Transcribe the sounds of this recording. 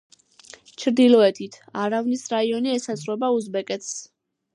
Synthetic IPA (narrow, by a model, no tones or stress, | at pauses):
t͡ʃʰɾd̪ilɔɛt̪ʰit̪ʰaɾavnisɾaiɔniɛsasʼɾwɛbauzbɛkʼɛt̪ʰs